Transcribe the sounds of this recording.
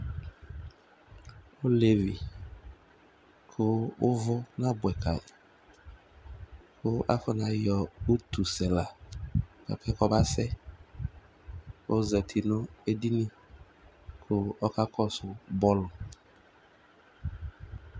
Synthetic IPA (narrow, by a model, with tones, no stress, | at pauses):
o˦le˨vi˨ | kʰʊ˦ʊ˦vʊ˦nã˦bʊ˨ɛ˨kʰa˨ | kʰʊ˦a̰˦fɔ˦nã˨jɔ˨u˦t̪u˨sɛ˨la˨ | ka̰˨kʰɛ˦kɔ˦ba˦sɛ˦ | o˦zɛ˨tʰi˨nʊ̃˦e˦di˦nĩ˦ | kʰʊ˦ɔ˦ka˦kʰɔ˦sʊ˨bɔ˦lʊ˨